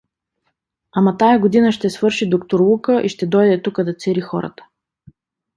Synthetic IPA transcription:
amɐt̪ajɐɡod̪inəʃt̪ɛsvɤɾʃid̪okt̪oɾlˠukəʔiʃt̪ɛd̪ɔjd̪ɛt̪ukəd̪ɐt̪sɛɾixɔ̰ɾə̰t̪ə̥

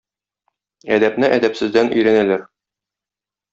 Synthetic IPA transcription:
æd̪æpnɘʔæd̪æpsɘ̆zd̪ænɵ̆jɾænælæɾ

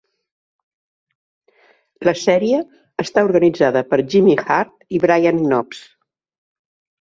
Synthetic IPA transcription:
ləsɛɾiəː | st̪auɾɣənid͡zaðəpəɾʒimixaɾt̪iβɾajannɔps

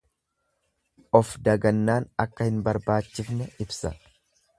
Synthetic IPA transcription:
ʔɔfd̪ɐɡɐnːaːnɐkːɐhɪnbɐɾbaːt͡ʃːɪfnɛɪbsɐ̰

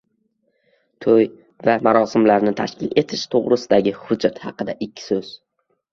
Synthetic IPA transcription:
t̪ʰoj | vamaɾɒsɪmlaɾnɪt̪ʰa̰ʃkʲɪle̞t̪ʰɪʃt̪ʰoʁɾɪsɪd̪aɡʲɪhʊd͡ʒːat̪hɑqɨd̪aʔɪkʲʰːɪ̥soz̥

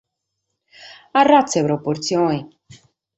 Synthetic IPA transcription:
arːat̪seβɾopoɾt̪sjoni

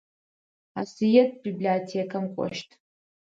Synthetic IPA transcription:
a̰sijetʰʼbibliotʰekʼamkʷʼɔ̰ʃtʰʼ

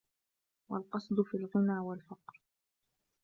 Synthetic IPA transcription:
wa̰lqɑsˤd̪ˤʊfiːlɣɪnaːwalfɑqɾ

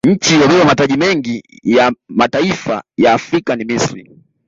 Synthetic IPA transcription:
ɲ̩t͡ʃijɔɓɛwamataʄimɛŋɡi | jamataifa̰jaːfɾikanimisɾi

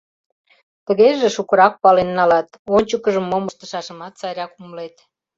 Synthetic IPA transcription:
t̪əɣeʒeʃukə̆ɾɑk̚pɑlenːɑlɑt̪onʲt͡ɕəkəʒəmːoməʃt̪ə̆ʃɑʃəmɑt̪t͡sɑjɾʲɑkuməlet̪

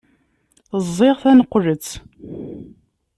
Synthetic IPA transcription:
əzˤːeʁθænəqːlət͡sː

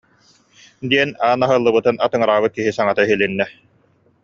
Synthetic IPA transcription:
d̪iɛnaːnaɦɯlˠːɯbɯt̪ɯnʔat̪ɯŋɯɾaːβɯt̪̚kiɦisaŋat̪aɦilinːɛ

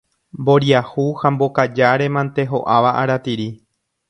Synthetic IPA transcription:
mbo̞ɾiahuhambo̞kad͡ʒaɾe̞mãnt̪e̞ɦo̞ʔaʋaʔaɾat̪iɾi

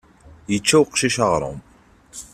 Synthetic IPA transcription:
jət͡ʃːæwqʃiʃɑʁɾˤo̰m

